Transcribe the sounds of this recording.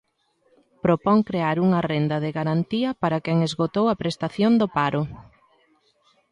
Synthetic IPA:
pɾopɔŋkɾeaɾuŋɐrend̪ɐðeɣaɾant̪iɐpaɾɐkɛŋezɣot̪owɐpɾest̪aθjond̪opaɾʊ

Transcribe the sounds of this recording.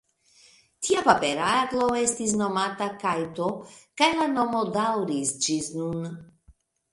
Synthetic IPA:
t̪ʰiapapɛɾaaklˠowɛst̪isnɔmat̪akajt̪ɔkajlanomold̪awɾisd͡ʒiznun

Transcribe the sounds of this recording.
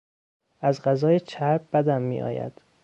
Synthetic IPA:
æzɢæzɒːjet͡ʃʰæɾb̚bæd̪æmːḭːʔɒ̰ːjæ̰d̪̥

